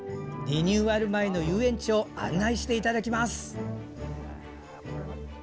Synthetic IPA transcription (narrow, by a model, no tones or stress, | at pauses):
d̪ʲiɲʲɨːaɾɯ̟maeno̞jɯːẽ̞ɲ̟t͡ɕio̞a̰nːaiɕi̥t̪e̞it̪ad̪akʲimasɨ̥